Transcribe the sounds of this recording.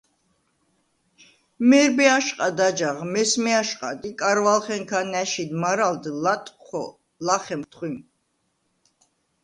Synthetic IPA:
mɛɾbɛaʃqʼad̪ad͡ʒaʁmɛsmɛaʃqʼa̰d̪ikʼaɾvalχɛŋkʰanæʃid̪maɾald̪lat̪ʼχɔ̰ | laχɛmt̪ʰχwim

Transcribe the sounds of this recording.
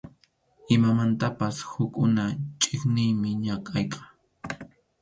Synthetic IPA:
ɪmamant̪apashʊkʼʊnat͡ʃʼɪχnɪjmɪɲakʼɑjqɑ

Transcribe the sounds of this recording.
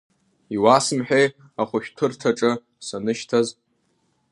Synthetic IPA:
iwasɨmħᶣej | aχʷʊʃᶣtʰɨrtʰaʈ͡ʂʼɨ | sanɨʃtʰaz

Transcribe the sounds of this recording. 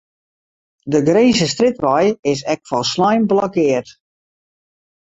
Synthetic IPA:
dəɡreːsəstrɪtʋɔjɪs̬ɛk̚fɔlˠslajmblɔkɪərt

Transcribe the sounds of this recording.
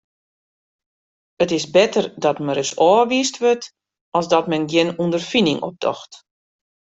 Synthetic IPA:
ətɪsbɪtərdɔtməɾəsɔːʋiːstʋøt | ɔlˠsdɔtmɛnɡjɪnundərfinɪŋʔɔ̰p̚dɔ̰xt

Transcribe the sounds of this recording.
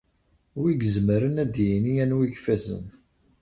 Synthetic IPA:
wiɡzməɾənæd̪jiniænwiɡfæzə̰n

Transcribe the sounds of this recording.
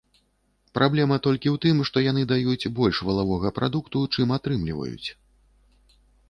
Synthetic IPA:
pɾʔablʲɛmɐt̪ɔlʲkʲiwt̪ɨmʂt̪ɔjan̪ɨd̪ajut͡sʲbɔlʲʂvɐlˠavɔɣɐpɾʔad̪ukt̪ut͡ʂɨmat̪ɾɨmlʲivɐ̰jṵt͡sʲ

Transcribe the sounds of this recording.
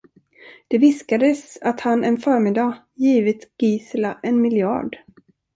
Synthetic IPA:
d̪̥ɛvɪskad̪əsat̪hanɛnfœːɾmɪd̪a | jiːvɪt̪ɡ̥iːslaʔɛnmɪljɑ̰ːɖ

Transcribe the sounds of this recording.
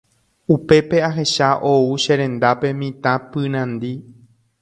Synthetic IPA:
upe̞pe̞aɦe̞ʃaʔouʃe̞ɾẽ̞nd̪ape̞mĩt̪ãpɨɾ̃ãnd̪i

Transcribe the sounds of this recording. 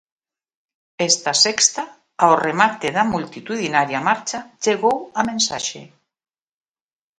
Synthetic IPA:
est̪asekst̪a | aoremat̪eðamult̪it̪uðinaɾjamaɾt͡ʃad͡ʒeɣowamẽnsaʃḛ

